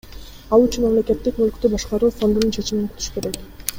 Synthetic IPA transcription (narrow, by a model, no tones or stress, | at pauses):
ɑlˠyt͡ʃynmamle̞ke̞t̪ːik̚mølky̥t̪øbɑʃqɑɾuːfo̞nd̪ununt͡ʃʰe̞t͡ʃimiŋkʰyt̪ʰy̥ʃke̞ɾe̞k